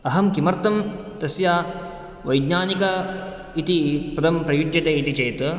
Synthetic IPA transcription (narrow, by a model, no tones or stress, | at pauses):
ɐɦɐmkimɐɾt̪ɐm | t̪ɐsjaː | ʋɐjɡɲaːnikɐ | it̪ipɐd̪ʱɐmpɾɐjud͡ʒjɐt̪eːit̪it͡ʃeːt̪